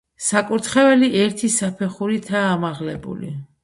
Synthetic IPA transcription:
sakʼuɾt̪ʰχɛvɛliʔɛɾt̪ʰisapʰɛχuɾit̪ʰaːmaʁlɛbṵlḭ

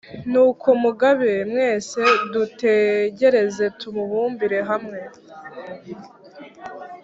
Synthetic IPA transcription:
nukʰomuɡaβemŋe̞ːse̞dute̞ɟe̞ɾe̞ze̞tumuβuːmbiɾe̞ɦamŋe̞

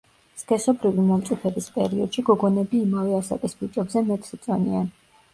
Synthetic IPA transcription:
skʼɛsɔbɾivimɔmt̪sʼupʰɛbispʼɛ̰ɾiɔd̪̥ʃiɡɔɡɔnɛbiːmavɛasa̰kʼisbit͡ʃʼɛbzɛmɛt̪ʼsit̪sʼɔnḭan

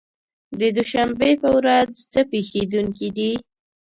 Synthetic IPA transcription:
d̪əd̪uʃambepəwɾazt͡səpexed̪uŋkid̪i

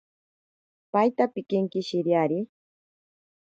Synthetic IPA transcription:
pajt̪apɪkɪŋkɪʃɪɾjaɾɪ

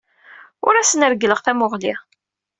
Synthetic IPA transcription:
ʊɾæsənəɾɡləʁθæmʊʁli

